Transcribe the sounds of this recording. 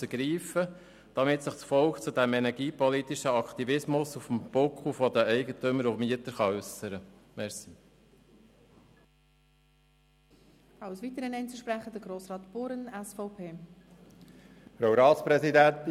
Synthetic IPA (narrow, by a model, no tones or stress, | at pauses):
əɡ̥ɾiːfə | d̥ɑmɪt̪sɪχt͡sfɔlkt͡sud̥ɛmɛnɛɾɡiːpɔlit̪ɪʃəɑkχt̪ivɪsmʊsufm̩b̥ɔkχufɔd̪əɛɪɡətʏməɾufmiət̪əɾχɑʉsəɾəmɛɾsi̥ | aʊsʋiːt̪əɾənɛɪnt͡suʃpɾɛχəd̥̪əɡɾoːsɾɑːt̪b̥ʊɾənɛsfɔʊpʰeː | fɾowɾɑːspɾɛsid̪ænt